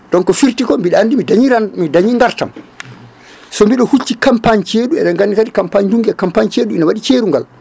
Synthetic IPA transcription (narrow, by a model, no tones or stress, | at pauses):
ɗɔnkɔfiɾtikɔmbiɗandimidaɲiɾamidaɲiŋɡaɾta̰m | sɔmbiɗɔhut͡ʃːikampaɲt͡ʃeːɗuɛɗaŋɡanːikatikampaɲd͡ʒuŋɡɛkampaɲt͡ʃeːɗuinawaɗit͡ʃeːɾuŋɡa̰l